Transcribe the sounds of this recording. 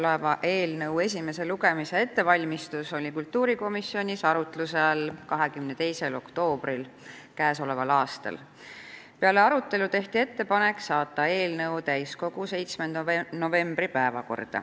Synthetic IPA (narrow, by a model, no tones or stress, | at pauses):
levɑʔe̞ːlnɤwe̞s̬ʲime̞se̞luɡe̞miseet̪ːe̞vɑlʲmist̪uso̞lʲikult̪ːˑuːɾiko̞misːio̞nʲisɑɾut̪luselkɑɦe̞kymne̞t̪e̞jse̞lo̞̰kt̪o̞ːbril | kæːso̞le̞vɑlɑːst̪ɑ̰l | peɑle̞ɑɾut̪ːˑe̞lut̪e̞ht̪ie̞t̪ːe̞pɑne̞ksɑːt̪ːˑɑe̞ːlnɤwt̪æjsko̞ɡ̥use̞jt̪smend̪no̞ve̞mb̥ripæevɑ̰ko̞̰rd̪̥ɑ̰